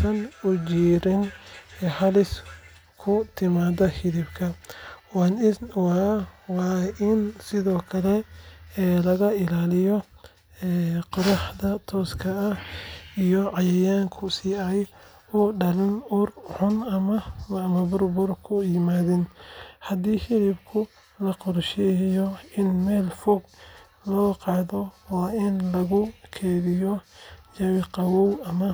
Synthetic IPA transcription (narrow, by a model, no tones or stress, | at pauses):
sɐnʊd͡ʒiːɾɪnɛhɐlɪs | kʰʊt̪ʰɪmaːðɐhɪðɪbkʰɐwanɪwɑwɑːʔɪnsɪðɔːkʰɐlɛ | lɐɣɐɪlaːlɪjɔ | ɛqɑɾɑħd̪ɐt̪ʰɔːskʰɐːhijɔʕɑjɛjaːŋkʰʊsiːɐj | uːɖɐlɪnʊrħʊnɐmɐmɐbʊrbʊrkʰʊjɪmaːðɪnhɐd̪iːhɪlɪbkʰʊ | lɐqɔrʃɛjɔɪnmɛːlfɔɡ | lɔːqɑːðɔwɑːʔɪnlɐɣʊkʰɛːðɪjɔjɐwɪqɑwɔwɐmɐ